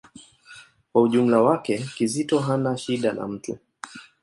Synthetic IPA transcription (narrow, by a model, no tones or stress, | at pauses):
kwauʄum̩lawakɛkizitɔɦanaʃiɗana̰m̩tṵ